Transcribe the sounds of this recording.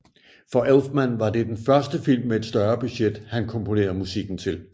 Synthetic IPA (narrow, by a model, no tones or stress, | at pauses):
fɒ̽ʔelfmænʋɑ̈d̥e̝d̥enfɶɐsd̥əfil̰mːeed̥sd̥ɶɐb̥y̥ɕed̥hænkʰɒ̽mpʰo̝ne̝̰ːɐð̩ˠmusiɡ̥n̩t͡sʰe̝l